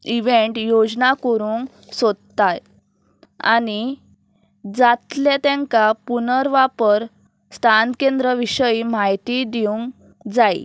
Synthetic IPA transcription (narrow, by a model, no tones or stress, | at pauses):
iʋeɳʈjod͡znakəɾuːŋ | sɔd̪t̪aj | a̰ni | d͡zat̪let̪ɛ̃ŋkapunəɾʋapəɾ | st̪ʰankẽnd̪ɾəʋiɕəimajt̪id̪iũŋ | d͡zaḭ